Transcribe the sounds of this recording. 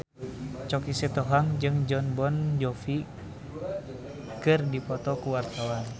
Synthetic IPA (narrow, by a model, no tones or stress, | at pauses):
t͡ʃɔkisɛt̪ɔɦaŋd͡ʒɨŋd͡ʒɔnbɔnd͡ʒɔfi | kɨrdipɔt̪ɔkuwart̪awan